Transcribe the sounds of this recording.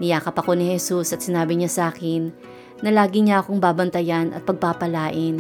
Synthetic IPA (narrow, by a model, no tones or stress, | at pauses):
nɪjaːkɐpɐko̞nɪhɛsusɐt̪sɪnaːbɪɲasaːkɪnː | ɐlaːɡɪɲaʔɐko̞ŋbaːbɐnt̪ɐjanɐ̰t̪̚pɐɡ̚papɐlaːʔɪn